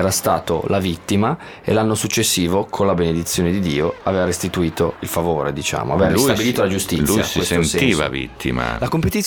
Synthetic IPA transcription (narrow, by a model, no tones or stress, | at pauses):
ɛːɾast̪aːt̪o̰lavit̪ːima | ḛlanːosut͡ʃːesːiːvokʰonlabened̪it̪sːjoːned̪id̪iːoaveːvaɾest̪it̪uiːt̪oilfavoːɾed̪it͡ʃa̰ːmo̰a̰vɛːvailusabiliːt̪olad͡ʒust̪ilːujsiesensɛiːva̰vḭt̪ʰːḭma̰lakompet̪it̪